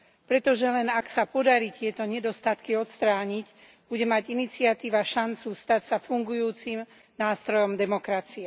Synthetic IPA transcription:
pɾɛt̪ɔʒɛlɛnaksapɔd̪aɾit̪ɪɛt̪ɔɲɛd̪ɔst̪at̪kiɔt̪st̪ɾaːɲic | b̥uɟɛmaɟinit͡sɪat̪iːʋaʃant͡sust̪acsafuŋɡujuːt͡sim | naːst̪ɾɔjɔmd̪ɛmɔkɾat͡siɛ

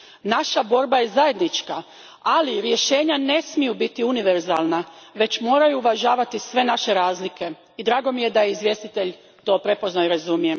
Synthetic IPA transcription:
naʃabo̞ːɾbaje̞zaje̞d̪nit͡ʃka | aliɾje̞ʃe̞ːɲane̞smijubit̪iuniʋe̞ɾzaːlˠnaʋe̞t͡ɕmo̞ːɾajuːʋaʒaːʋat̪isʋe̞naʃe̞ɾaːzlike̞ | id̪ɾaːɡo̞mije̞d̪ajeizʋje̞st̪it̪e̞ʎ | t̪o̞ːpɾe̞po̞znajɾazumije̞

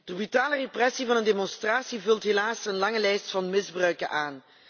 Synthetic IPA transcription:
d̥əbytaːləreprɛsivɑnəndemɔnstraːsivɵlˠtɦelaːsənlɑŋəlɛjstfɑnmɪzbrœɥkənʔaːn

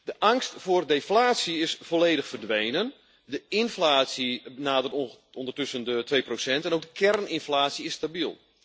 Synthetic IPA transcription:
d̥əʔaŋstfoːrdeflaːsiɪsfoleːdəxfərdʋeːnən | dəɪnflaːsibənaːdərt | ɔndərtɵsəndətʋeːprosɛntɛnoːɡ̚dəkʰɛrnɪnflaːsiɪstabilˠ

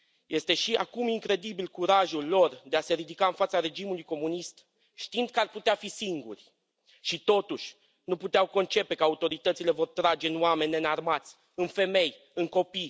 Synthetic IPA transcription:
jʔe̞st̪e̞ʃiʔa̰kumiŋkɾe̞d̪ibilkuɾaʒulːo̞rd̪e̞ase̞ɾid̪ikaɨnfat̪saɾe̞d͡ʒimulujko̞munist̪ | ʃt̪ind̪̥̚kəarput̪eafisiŋɡṵrʲ | ʃit̪o̞t̪uʃʲ | nuput̪eawko̞nt͡ʃe̞pe̞kəaut̪o̞ɾit̪ət̪sile̞vo̞rt̪ɾad͡ʒe̞ɨnoame̞nʲːenarmat̪sʲ | ɨnfe̞me̞j | ɨŋko̞pi

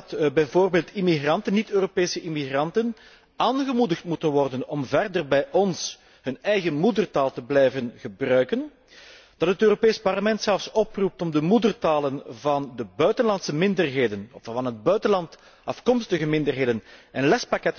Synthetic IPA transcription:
tbɛjvoːrbeːlˠtimiɣrɑntənːitøːropeːsəʔimiɣrɑntən | aːnɣəmudəxtmutənʋɔrdənɔmvɛrdərbɛjʔɔns | hɵnɛjɣəmudərtaːlˠtəblɛjvənɣəbrœɥkən | d̥ɑtɦətøːropeːspɑrləmɛntsɛlˠfsɔprup̚tɔmdəmudərtaːlənvɑndəbœɥtənlɑntsəmɪndərɦeːdənɔfvɑnɦəd̚bœɥtənlɑnt | ɑfkɔmstəɣəmɪndərɦeːdənɛnlɛspɑkɛt

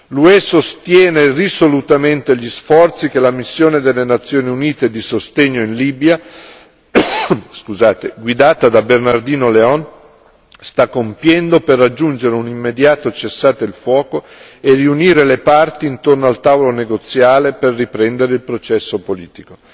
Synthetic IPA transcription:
luɛsost̪jɛːnerisolut̪ament̪eʎisfɔrt̪sik̟elamisːjoːned̪elːenat̪sːjoːniuniːt̪ed̪isost̪eɲːoinliːbja | skuzaːt̪eɡwid̪aːt̪ad̪abernard̪iːnoleɔn | st̪akːompjɛnd̪operːad͡ʒːund͡ʒeɾeunimːed̪jaːt̪ot͡ʃesːaːt̪eilfwɔːko | eriuniːɾelepart̪iːnt̪ornoalt̪avoloneɡot̪sːjaːleperːipɾɛnd̪eɾeilpɾot͡ʃɛsːopolḭːt̪iko

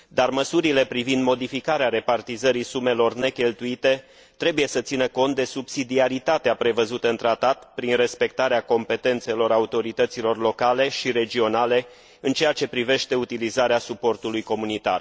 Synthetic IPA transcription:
d̪arməsuɾile̞pɾivind̪mo̞d̪ifikaɾeaɾe̞part̪izəɾisume̞lo̞rne̞kʲe̞lt̪uit̪e̞ | t̪ɾe̞buje̞sət̪sinəko̞nt̪̚d̪e̞subsid̪iaɾit̪at̪eapɾe̞vəzut̪əɨnt̪ɾat̪at̪pɾinre̞spe̞k̚t̪aɾeako̞mpe̞t̪e̞nt̪se̞lo̞ɾaut̪o̞ɾit̪ət̪silo̞rlo̞kale̞ʃiɾe̞d͡ʒio̞nale̞ | ɨnt͡ʃe̞jat͡ʃe̞pɾive̞ʃt̪e̞ut̪ilizaɾeasupo̞rt̪ulujko̞munit̪a̰r

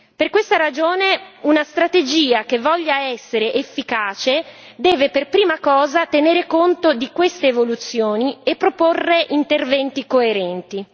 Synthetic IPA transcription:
perkwest̪aɾad͡ʒoːneunast̪ɾat̪ed͡ʒiːakevːɔʎːaɛsːeɾeʔefːikaːt͡ʃe | d̪ɛːveperpɾiːmakɔːzat̪eneːɾekont̪od̪ikwest̪eːvolut̪sːjoːniepːɾoporːeʔint̪ervɛnt̪ikoeɾɛnt̪i

